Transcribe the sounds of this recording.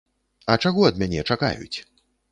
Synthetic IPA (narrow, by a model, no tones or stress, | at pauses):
ɐt͡ʂaɣɔɐd̪mʲanʲɛt͡ʂaka̰jṵt͡sʲ